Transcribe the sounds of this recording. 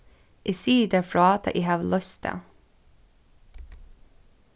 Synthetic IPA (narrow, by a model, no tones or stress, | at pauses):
ʔiːsiːd̪əfɾɑːt̪ʰɑ̰ʔiːhɑːʋlœst̪ʰə̰